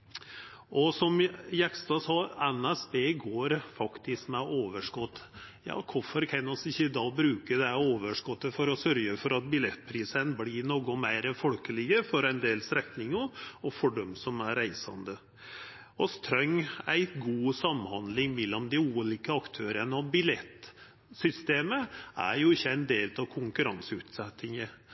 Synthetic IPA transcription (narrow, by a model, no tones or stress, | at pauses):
ʔɔsɔmjɛkst̪ɑːsɑːɛnæsbeːɡoːɾfɑkt̪ɪskmɛʔoːʋəʂkɔt̪ːjɑ̰ːkʰʊfɔɾkʰɛnːɔsɪçːəd̪ɑːbɾʉːkəd̪ɛhæoːʋəʂkɔt̪ːəfɔɾɔsœɾɡəfɔɾɑt̪̚bɪlɛt̪ːpʰɾiːsənblinoːɡɔmæɪɾəfɔlkəlɪɡəfɔɾɛɪnd̪eːlsɾɛt̪nɪŋɔɔfɔɖɔmsɔmæɾæɪsɑ̰nd̪ə | ɔst̪ʰɾœŋæɪt̪ɡuːsɑmːhɑnd̪lɪŋmɛlːɔmd̪ɪuːliːkəɑkt̪ʰøːɾənəɑʋbɪlɛt̪ː | sʏst̪eːməʔæ̰ɾjʊɪçːəæɪnd̪eːlt̪ɑʋkʰʊŋkʉɾɑnsʉːt̪sɛt̪ːɪŋə